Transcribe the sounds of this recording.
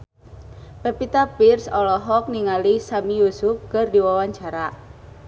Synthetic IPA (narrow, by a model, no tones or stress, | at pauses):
pɛpit̪apirsɔlɔɦɔk̚niŋalisamijusʊfkərdiwawaɲt͡ʃaɾa